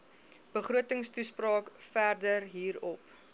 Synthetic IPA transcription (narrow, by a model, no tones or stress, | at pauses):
b̥əχɾuətəŋstusprɑːkfærdərɦiːɾɔp